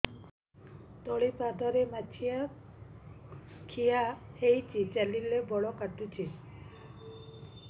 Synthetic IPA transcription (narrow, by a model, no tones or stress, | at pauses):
t̪ɔɭipad̪ʱɔɾemat͡ʃʰija | kʰijahejt͡ʃit͡ʃalilebɔɭɔkaʈut͡ʃʰi